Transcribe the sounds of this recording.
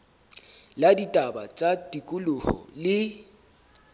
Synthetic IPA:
laditʼaba̰t͡sʼatʼikʼʊlʊhɔ̰lɪ

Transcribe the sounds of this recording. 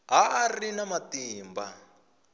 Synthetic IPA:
ɦaarinamatiːmba̰

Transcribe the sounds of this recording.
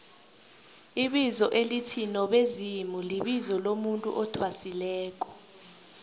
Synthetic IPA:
iɓizɔʔelitʰinɔɓezimuliɓizɔlomuntʼṵʔɔtʰwasilɛːk̬ʼɔ̥

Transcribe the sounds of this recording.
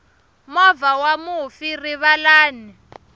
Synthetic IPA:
mɔvawamufiriβalaːni

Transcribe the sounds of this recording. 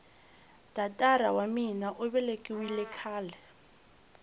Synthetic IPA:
d̥atʼaɾa̰waminaʔʊβɛlekʼiwilɛkʰaːlɛ

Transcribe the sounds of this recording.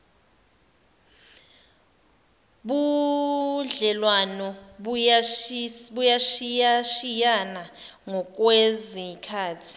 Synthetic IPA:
ɓu | ɮɛlwanɔ | ɓujaʃiaʃijanaŋɔk̬ʼwezikʰaːtʰi̥

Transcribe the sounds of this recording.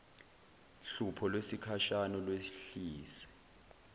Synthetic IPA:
ɬupʰɔlwesikʰaʃanɔlweɬiːsɛ̥

